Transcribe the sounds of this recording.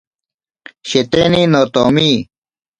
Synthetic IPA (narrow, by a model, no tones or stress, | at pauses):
ɕet̪eninot̪oːmiː